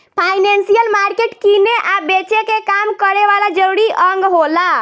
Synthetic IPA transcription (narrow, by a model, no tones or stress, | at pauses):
pʰajnensijəlmaɾkeʈkineʔabet͡ʃekekamkəɾeʋalad͡ʒəɾuɾiʔəŋɡɦola